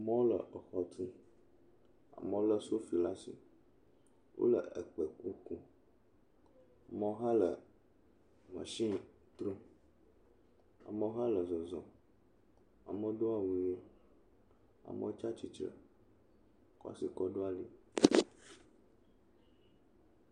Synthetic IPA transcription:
a˨mə̃˦wo˦lə̰˨ʔə˨xɔ˨t̪ʰi˦ | a̰˨mə̃˦o˦lə˦so˦fi˨la˦sḭ˨ | wʔo̰˦lə̰˨ə̰˨k͡pə˨ku˦ku˦ | a˨mə̃˦wo˦ɦa˦lə˨ | mə̰̃˨ʃĩ˦˨ | t̪ɾo˦ | a̰˨mə˦ɦã˦lə˨zɔ˨zɔ̃˨ | a̰˨mə˦ɖo˦a˦wu˦je˦ | a̰˨mə̰˦o˦t͡ʃa˦t͡ʃi˨t͡ʃɾə̰˨ | kɔ̰˦si˨kɔ˦ɖo˦a˦li˨

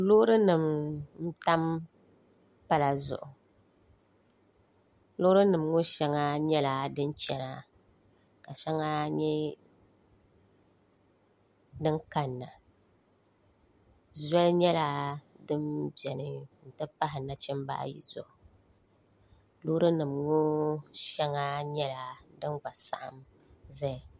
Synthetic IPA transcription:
lʊ˦ɾɨ˦nɨ˨mn̩˦ta˦m | pa˦la˨zʊ̰˨ʔʊ˨ | lʊ˦ɾɨ˦nɨ˨mŋʊ˦ʃɛ˦ŋa˦ɲɛ˦la˨dɨ˦n˦t͡ʃɛ˨na˨ | ka˨ʃɛ˦ŋa˦ɲɛ˦ | dɨ˦ŋka˨nːa˨ | zɔ˦lɲɛ˦la˨dɨ˦mbɛ˨nɨ˨n̩˨tɨ˦pa˦ɦɪ˨na˨t͡ʃɛ˦mba̰ː˦jḭ˨zʊ̰˦ʔʊ˨ | lʊ˦ɾɨ˦nɨ˨mŋo˦ʃɛ˦ŋa˦ɲɛ˦la˨dɨ˦ŋɡ͡ba˨sa˦ʔa˨m | zɛ˦˨

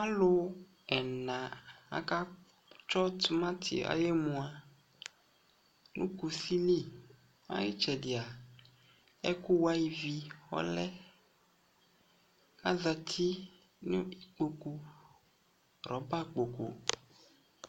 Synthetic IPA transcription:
a˦lʊ˦ | ɛ˨nã˨a̰˨ka˦ | t͡ʃɔ˦t̪ʊ˦mã˦t̪ʰɪ̰˨a̰˨je˦mũ˨a˨ | nṵ̃˦ku˨si˦li˦˨ | a̰˦jɪ˦t͡ʃɛ˨dɪ˨a˨ | ɛ˦kʊ˦wa˦i˦vi˨xɔ̰˦lɛ˦ | ka˦za˨t̪ʰi˦ | nʊ̃˦i˨k͡po˨ku˨ | ɾɔ˨˦ba˦k͡po˨ko̰˨

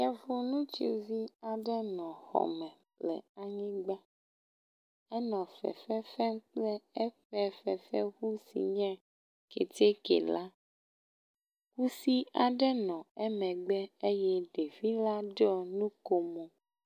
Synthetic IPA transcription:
ja˨vo˦nũ˦t͡ʃḛ˦vi˦a˨ɖɛ˦nɔ̃˨xɔ̰˨mɛ̃˨ | lɛ̰˨a˨ɲĩ˦ɡ͡bɛ˦ | ɛ˦nɔ̃˨fɛ̰˨fɛ˦fɛ˦ŋ˦k͡plɛ˦ɛ˦ɸɛ˦fɛ˨fɛ̰˦xu˦sḭ˨ɲɛ̃˦ | kḛ˨te˦kɛ̰˨la˦ | ku˦si˦a˨ɖɛ˦nɔ̃˨ɛ˦mɛ̃˨ɡ͡bɛ˦e˦jɛ˦ɖe˨vi˦la˦ɖɔ˦nũ˦ko˦mõ˨

